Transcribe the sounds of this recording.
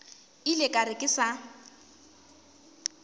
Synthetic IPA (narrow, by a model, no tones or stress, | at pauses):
ilɪkʼaɾɪkʼɪsa